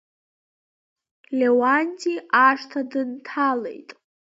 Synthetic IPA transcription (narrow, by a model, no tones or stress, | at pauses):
lʲewanʲtʰʼiʔaʂtʰadɨntʰalḛjtʼ